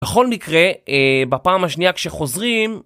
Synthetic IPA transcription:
eχo̞lmikʁe̞bapaːmaʃniakʃeχo̞zʁim

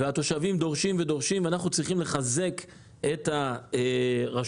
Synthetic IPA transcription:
veat̪o̞ʃavimd̪o̞ʁʃimvedo̞ʁʃimveanaχnut͡sʁiχimle̞χaze̞k | eta | ʁa

